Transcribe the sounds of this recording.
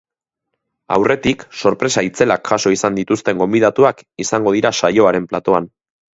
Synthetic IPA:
a̰wrʔe̞t̪ikso̞ɾpɾe̞sait͡se̞lakxaso̞isand̪it̪ust̪e̞ŋɡo̞mbið̞at̪uakisaŋɡo̞ð̞iɾasajo̞aɾe̞mplat̪o̞an

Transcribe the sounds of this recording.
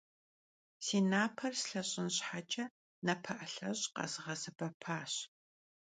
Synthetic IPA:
siːnaːpʰɐrsɬɐɕʼɪnɕħat͡ʃʼɐ | nɐpʰɐʔɐɬɐɕʼqɐ̰zʁɐzɐbɐpʰaːɕ

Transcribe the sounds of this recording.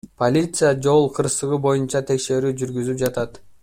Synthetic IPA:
pʰo̞lʲit̪sɨjad͡ʒo̞lˠqʰɯɾsɯʁɯbo̞junt͡ʃɑt̪ʰe̞kʃe̞ɾyːd͡ʒyɾɡyzyp̚d͡ʒɑt̪ɑt̪

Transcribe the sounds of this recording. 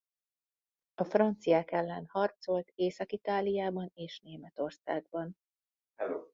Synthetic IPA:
ɒfrɒnt̪sijaːkɛlːɛnhɒrt̪so̞lt̪eːsɒkit̪aːlijaːbɒneːʃneːmɛt̪o̞rsaːɡbɒn | ɛlo

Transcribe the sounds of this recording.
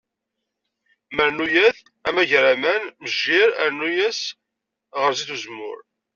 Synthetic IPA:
məɾnujæθ | æmæʝɾæmænməʒːɪɾəɾnujæs | ʁəɾziθuzmʊ̰ɾ

